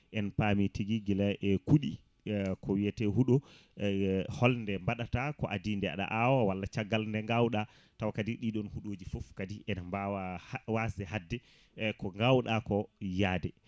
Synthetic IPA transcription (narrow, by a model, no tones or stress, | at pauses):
ʔɛnpamitiɡiɡilaʔɛkuɗi | kʰɔwiatɛɦuɗo | hɔlndɛmbaɗatakɔ̰ʔadindɛa̰ɗa̰ʔawawalːat͡ʃaɡːalndɛŋɡawɗa | tawakadiɗiɗɔnhuɗoːd͡ʒifofkadiʔɛnmbawawasɛhadːɛ | kɔŋɡawɗakɔjaːdɛ